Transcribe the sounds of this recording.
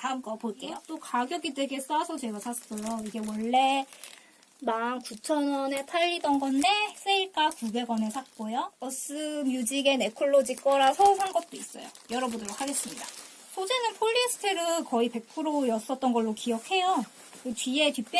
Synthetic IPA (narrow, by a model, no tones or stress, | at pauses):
tamkʌpoɭk͈e̞jot͈okaɡjʌɡideɡe̞s͈asʰʌt͡ɕe̞ɡasʰas͈ʌjoiɡe̞wʌɭːe̞ | mankut͡ɕʰʌnwʌne̞pʰaʎːidʌnɡʌnːes͈eiɭk͈akube̞ɡwʌne̞sʰak̚k͈ojʌʌs͈ɯmjud͡ʑiɡe̞nekʰuɭːod͡ʑik͈ʌɾasʰʌsʰaŋɡʌp̚t͈ois͈ʌ̰jo̰jʌɾʌbundɯɭɾokʰhaɡe̞s͈ɯmɲida | sʰod͡ʑenɯnpʰoʎːisʰɯ̥tʰeɾɯkʌipe̞k̚pʰɯɾojʌs͈ʌt̚t͈ʌnɡʌɭːokijʌk̚he̞jo | kɯt͡ɕɥie̞tip͈j